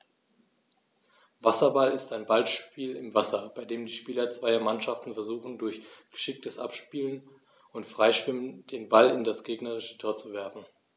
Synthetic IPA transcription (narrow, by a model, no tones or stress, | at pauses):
vasɐbalɪstaɪnbalʃpiːlɪmvasɐb̥aɪdeːmdiːʃpiːlɐt͡sv̥aɪɐmanʃaftn̩fɛɐzuːχn̩dʊɐçɡ̥ə̥ʃɪk̚təsʔa̰pʃpiːlən | ʊntfʁ̥aɪʃv̥ɪmənd̥eːnbalɪndasɡ̥eːɡnəʁɪʃə̥tʰoːɐt͡suvɛɐfn̩